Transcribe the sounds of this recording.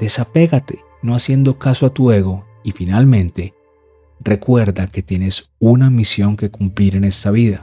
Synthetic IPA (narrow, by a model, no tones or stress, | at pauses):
d̪̥e̞sape̞ɣat̪e̞ | no̞asje̞nd̪o̞kasoat̪ue̞ɣo̞ | ifinalmẽ̞nt̪e̞ | re̞kwe̞ɾðake̞t̪je̞ne̞s | unamisjo̞ŋke̞kumpliɾe̞ne̞st̪aβiða